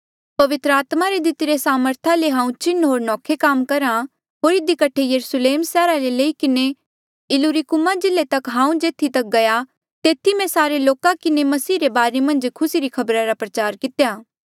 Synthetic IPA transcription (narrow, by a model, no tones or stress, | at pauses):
pɐʋɪt̪ɾəaːt̪maɾed̪ɪt̪ɪɾesaːməɾt̪ʰaleɦãːũt͡ʃɪnːɦoːɾnɔːkʰekaːmkɐɾa | ɦoːɾɪd̪ikɐʈʰejɐɾusleːmsɛːɾaleleːikɪne | ɪluɾikʊmad͡ʒɪlːet̪ɐkɦãːũd͡ʒeːt̪ʰit̪ɐk̚ɡɐja | t̪eːt̪ʰimɛ̃saːɾeloːkakɪnemɐsiːɾebaːɾemɐ̃nd͡ʒkʰʊsiɾikʰɐbɾaɾapɾɐt͡ʃaːɾkɪt̪jaː